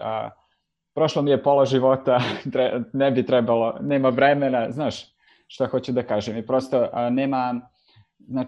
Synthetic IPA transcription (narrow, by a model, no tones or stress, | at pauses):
ə̰ | pɾo̞ʃlomijepolaʒiʋo̞t̪at̪ɾenebit̪ɾɛbalˠo̞neːmaʋɾemenaznaːʃ | ʃt̪axo̞t͡ɕud̪akaːʒemipɾo̞st̪oʔneːma | znaː